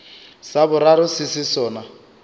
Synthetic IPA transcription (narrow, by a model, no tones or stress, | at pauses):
sabʊɾaɾʊsɪsɪsɔːna